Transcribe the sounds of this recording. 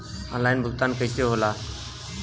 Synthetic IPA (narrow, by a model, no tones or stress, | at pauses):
ə̰laːɪnbʱʊɡt̪aːnkəisjoːɦoːlaː